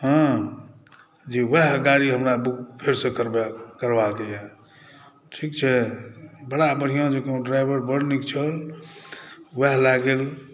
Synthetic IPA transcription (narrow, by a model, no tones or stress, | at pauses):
ɦə̃ | d͡ʒiwəɦɡaɽiɦəmɾabuk̚pʰeɾsẽkəɾbkəɾbakejɛ | ʈʰikt͡ʃʰɛ | bəɽabəɽ̤ijãd͡ʒekeõɖɾajbəɾbəɽnikt͡ʃʰəl | wəɦlaɡel